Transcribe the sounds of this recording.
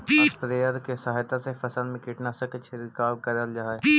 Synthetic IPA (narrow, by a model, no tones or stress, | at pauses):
pɾeːjəɾkesɐɦjt̪asefʰɐsəlmẽkɪʈnasəkət͡ʃʰeɾɪkaːbkəɾəld͡ʒaːe